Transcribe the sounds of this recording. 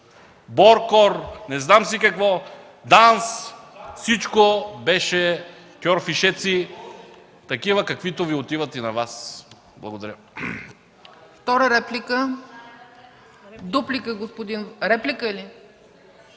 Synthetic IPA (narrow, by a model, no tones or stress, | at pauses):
boɾkɔɾnɛznams̬ikɐkvɔ | d̪ansfsit͡ʃkobɛʃɛ | kʲɔɾfiʃɛt̪si | t̪ɐkivəkɐkvit̪oviot̪ivɐt̪inɐvas | blˠɐɡod̪ɐɾʲjə | ft̪ɔɾəɾɛplikə | d̪uplikəɡospod̪inɾɛplikəili